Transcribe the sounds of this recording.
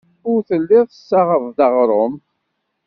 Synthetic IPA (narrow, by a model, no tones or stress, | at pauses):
ʊɾθəlːɪðˤθəsːaʁəvd̪əʁɾˤʊm